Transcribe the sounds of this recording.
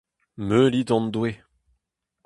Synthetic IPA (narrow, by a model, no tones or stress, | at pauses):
mølid̪ɑ̃nd̪we